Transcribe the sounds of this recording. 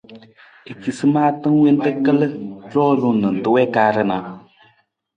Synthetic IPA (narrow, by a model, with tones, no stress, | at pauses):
e˨ki˨sɨ˦maː˦tɨ˦ŋ˦we˦n˦tɨ˦kə˦lə˦lɔː˦lu˨nɨ˨n˨tɨ˦wɛ˦ka˦ɾə˦na˨